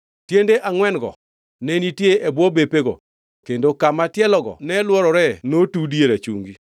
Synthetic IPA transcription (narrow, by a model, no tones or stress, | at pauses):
tjendeʔaŋwɛnɡɔ̰ | nɛnitjeʔebwɔbepeɡɔ̰ | kendokamatjɛlɔɡɔ̰nɛlwɔɾɔɾɛnotudieɾat͡ʃṵŋɡi